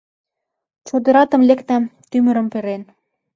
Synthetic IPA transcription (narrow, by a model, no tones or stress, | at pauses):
t͡ɕod̪ə̆ɾɑt̪ə̆mlekt̪æmt̪ymə̆ɾəmpeɾen